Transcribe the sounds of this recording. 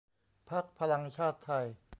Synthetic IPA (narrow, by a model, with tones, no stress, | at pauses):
pʰa˦˥˩k̚pʰa˧la˧ŋt͡ɕʰaː˥˩t̪ʰːa˧j